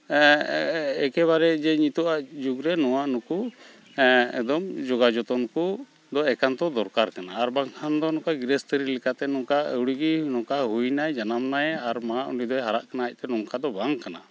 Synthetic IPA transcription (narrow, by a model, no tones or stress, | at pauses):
ɛkɛβaɾɛd͡ʒɛɲit̪uʔaʔd͡ʒuɡɾɛnɔwaʔnuku | ɛ̰d̪ɔmd͡ʒɔɡad͡ʒɔt̪ɔnku | d̪ɔɛkant̪ɔd̪ɔɾkaɾkanaːɾbaŋkʰand̪ɔnɔ̃kaɡiɾɛst̪ʰəɾilikat̪ɛnɔŋkaəɽiɡinɔŋkaɦujnajd͡ʒanamnajaɾmaaʔṵnɖid̪ɔjɦaɾaʔkanaac̚t̪ɛnɔŋkad̪ɔbaŋkana